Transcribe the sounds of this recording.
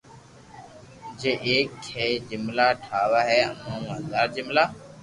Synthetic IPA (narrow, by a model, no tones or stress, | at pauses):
d͡ʒeːʔeːkːʰeːd͡ʒɪmlaːʈʰaːʋaːɦɛːə̰mãːũːənd̪aːɾd͡ʒɪmlaː